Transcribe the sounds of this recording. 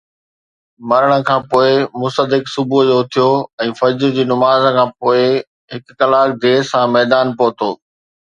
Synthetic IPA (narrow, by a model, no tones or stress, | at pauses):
mɐɾəɽ̃ə̆kʰãːpoːɪmʊst̪əd̪ɪksʊbud͡ʑoːʊt̪ʰijoːɛ̃ːfɐd͡ʑɾd͡ʑiːnʊmaːzkʰãːpoːɪ | ɦɪkːɐlaːk̚d̪eːsãːmɛːd̪aːnpoːt̪oː